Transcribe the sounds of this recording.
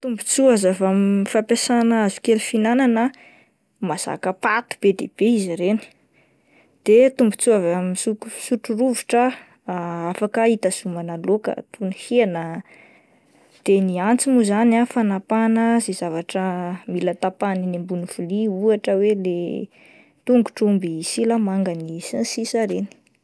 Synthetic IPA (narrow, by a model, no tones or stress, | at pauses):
t̪umbut͡suazavamifapasanazu̥kelufinananə | maz̥a̰kəpat̪u̥b̥ed̪eb̥eiziɾeni̥ | d̪̥et̪umbu̥t͡suavamisukusuʈ͡ʂuruviʈ͡ʂə | afakəit̪azumanalokə̰t̪uniheanə | d̪̥eniant͡simuzanafanapanəzezavaʈ͡ʂəmilət̪apaninembunifuliuaʈ͡ʂəwele | t̪uŋɡu̥ʈ͡ʂumbisiləmaŋɡənisensisəɾeni̥